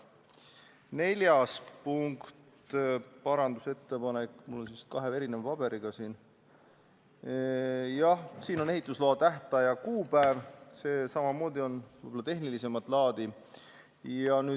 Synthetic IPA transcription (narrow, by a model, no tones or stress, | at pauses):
ne̞lʲjɑspuŋkt̪ | pɑɾɑnd̪use̞t̪ːe̞pɑnekˑmulːo̞nsiskɑɦeeɾinemɑpɑb̥e̞ɾiɡ̥ɑsiːn | jɑhsiːno̞neɦit̪ˑːusloɑt̪æɦt̪ɑjɑkuːpæevse̞sɑmɑmo̞ːd̪̥io̞nvojb̥olːɑt̪e̞ɦnilise̞mɑt̪ˑlɑːd̪̥i | jɑnyː